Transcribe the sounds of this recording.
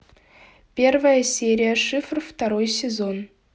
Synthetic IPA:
pʲervəjəsʲeɾʲijəʂɨfrft̪aɾojsʲezon

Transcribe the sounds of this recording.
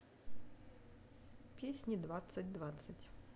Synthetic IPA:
pʲisʲnʲid̪ʋat̪sɐtʲd̪ʋat̪sɐtʲ

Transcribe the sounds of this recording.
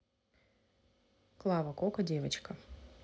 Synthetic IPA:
klˠavɐkokɐdʲevɐt͡ɕkɐ

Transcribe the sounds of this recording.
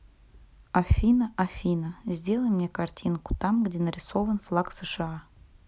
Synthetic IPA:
ɐfʲinəʔafʲinəzʲdʲelˠəjmnʲekartʲʰinku̥t̪ɑmɡdʲenəɾʲɪsovənflˠaksəʂɨɑ

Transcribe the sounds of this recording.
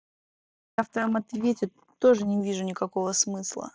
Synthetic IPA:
jft̪əɾəmɐt̪vʲetʲɪ | t̪o̞ʐɨnʲɪvʲiʐʊnʲɪkɐko̞vəsmɨslˠə̰

